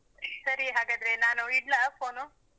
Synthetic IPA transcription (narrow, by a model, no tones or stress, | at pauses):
səɾiɦaɡəd̪ɾenanoiʈlafono